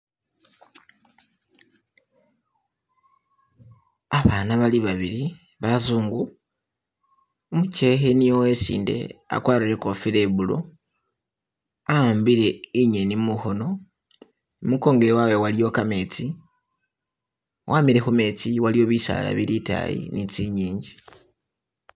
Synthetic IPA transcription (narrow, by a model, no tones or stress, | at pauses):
aβaːnaβaliβaβiɾi | βazuːŋɡu | omuce̞xenijowe̞sḭːnde̞̰a̰kwaːɾiɾe̞ko̞file̞βulo̞̰ | aaːmbiɾe̞iɲenimuxo̞no̞ | muko̞ːŋɡeɾwawe̞walijo̞kame̞t͡si | wʔaːmiɾe̞xume̞ːt͡siwalijo̞βisa̰ːla̰βiɾita̰jḭnit͡siɲiːɲɟi